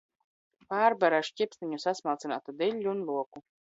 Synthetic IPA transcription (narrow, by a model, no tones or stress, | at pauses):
paːɾbaɾaʃcʲipsnʲiɲusasmalˠt̪sina̰ːt̪ud̪iʎʲːuːnlˠuɔku